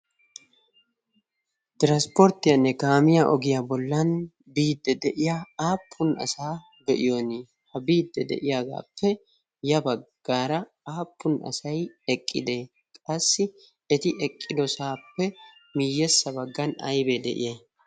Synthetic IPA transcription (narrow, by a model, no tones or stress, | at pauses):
t̪ɪɾɐspɔɾt̪ːɪjɐnːɛɡaːmɪjaʔɔɡɪjabɔlːɐn | biːd̪ːɛd̪ɛʔɪjaaːpʰːʊnɐ̰saː | bɛʔɪjoːnɪ | hɐbiːd̪ːɛd̪ɛ̰ʔɪjaːɡ̪a̰ːpːɛ | jɐbɐɡ̥ːaːɾɐ | aːpʰːʊnʔɐ̰sɐjɛkʼːɪd̪e | kʼɐsːɪ | ɛt̪ɪɛkʼːɪd̪ɔsaːpːɛ | mɪjɛsːɐbɐɡːɐnɐ̰jbeːd̪ɛ̰ʔɪ̰je